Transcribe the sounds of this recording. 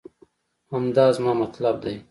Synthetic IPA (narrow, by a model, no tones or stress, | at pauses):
amd̪ɑːzmɑːmat̪lab̚d̪aj